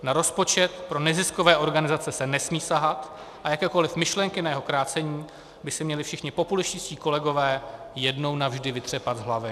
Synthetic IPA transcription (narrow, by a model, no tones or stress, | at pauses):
naɾo̞spo̞t͡ʃɛt̪pɾo̞nɛzɪskovɛːʔo̞ɾɡanɪzat͡sɛsɛnɛsmiːsaɦat̪ | ʔajakɛːko̞lɪfmɪʃlɛŋkɪnajɛɦo̞kɾaːt͡sɛɲiː | bɪsɪmɲɛlɪfʃɪxɲɪpo̞pulɪscɪsciːko̞lɛɡo̞vɛː | jɛdno̞wnavʒdɪvɪt̪r̝̥ɛpad̪zɦlavɪ